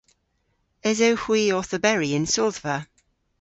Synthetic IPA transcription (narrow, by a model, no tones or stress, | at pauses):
ɛzoʊhwiːɔˑθəbɛɹiɪ̃nsɔlˠðvə